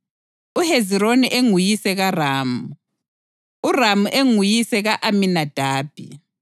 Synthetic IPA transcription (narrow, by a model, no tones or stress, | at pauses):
uheziɾoniʔeŋujisɛɣaraːmu | uramuʔeŋujisɛɣaʔaminad̥ʱaːb̥ʱḭ